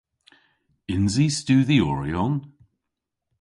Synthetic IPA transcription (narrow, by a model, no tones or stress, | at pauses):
ɪnzistʉːðiɔɹiɔn